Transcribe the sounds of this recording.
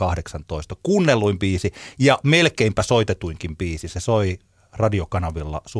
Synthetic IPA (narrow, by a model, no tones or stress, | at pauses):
ɑhdeksɑnt̪oist̪ɑkuːnːelːˑuimbiːsijɑmelkeimpæsoit̪et̪uiŋkimbiːsisesoi | rɑdiokɑnɑʋilːɑ̰su